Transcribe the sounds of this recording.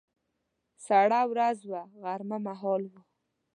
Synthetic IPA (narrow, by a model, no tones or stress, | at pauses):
saɽawɾazwaɣaɾmamaɦɔlwʊ